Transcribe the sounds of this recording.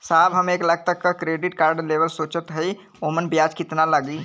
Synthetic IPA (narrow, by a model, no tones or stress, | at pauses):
saːbɦɐmeːklɐɡ̚t̪ək̚ːakɾeːɖɪʈkaːɾɖleːʋəlsoːt͡ʃət̪ɦɐi | oːmənbjaːd͡ʒkɪt̪naləɡiː